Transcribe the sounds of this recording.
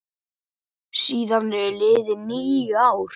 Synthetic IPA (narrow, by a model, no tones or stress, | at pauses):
siːðanːɛɾlɪːðɪniːjjʏaːwɾ̥